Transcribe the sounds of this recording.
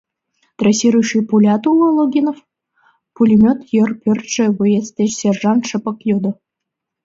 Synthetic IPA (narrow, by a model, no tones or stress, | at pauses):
t̪rɑsʲiɾujʃipulʲɑt̪ulˠə̆lˠoɡʲinof | pulʲimʲøt̪jərpʲørt̪ʃə̆βɨjest̪ʲet͡ɕsʲerʒɑnʃə̆pə̆kjod̪ə̆